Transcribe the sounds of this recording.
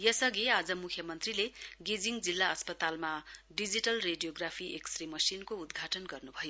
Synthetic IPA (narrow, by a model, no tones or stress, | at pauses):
jʌsʌɡiad͡zʌmukʰjʌmʌnt̪rileɡid͡ziŋd͡zilːaʌspʌt̪almaɖid͡ziʈʌlreɖijoɡrapʰiʔeksrimʌsinkoud̪ɡʱaʈʌnɡʌrnubʱʌjo